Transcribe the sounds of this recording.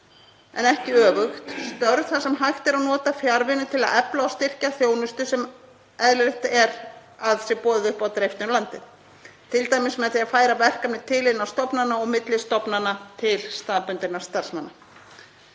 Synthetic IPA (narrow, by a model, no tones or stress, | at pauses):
ɛ̰nɛhcɪœːvʏxt̪st̪œɾðθasɛmɦajxt̪ɪɾaðnɔːt̪afjaɾvɪnʏt̪ʰɪlaðɛplaawst̪ɪr̥caθjoːwnʏst̪ʏsɛm | ɛðlɪlɛht̪ɛɾaðsjɛpɔːðɪðʏhpawt̪ɪɾejft̪ɪnlant̪ɪð | t̪ʰɪlt̪ajmɪnsmɛðaθiafaːjɾavɛr̥kamnɪt̪ʰɪlɪnawst̪ɔpnanːaɔɣmɪt̪lɪst̪ɔpnanat̪ʰɪlst̪aːðpʏnt̪ɪnːast̪ar̥smanːa